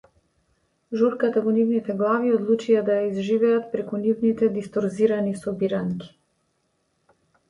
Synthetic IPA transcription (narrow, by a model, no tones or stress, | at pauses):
ʒuɾkat̪avɔnivnit̪ɛɡlˠaviɔd̪lˠut͡ʃijad̪ajaizʒivɛat̪̚pɾɛkunivnit̪ɛd̪ist̪ɔɾziɾanisɔbiɾaŋkʲi̥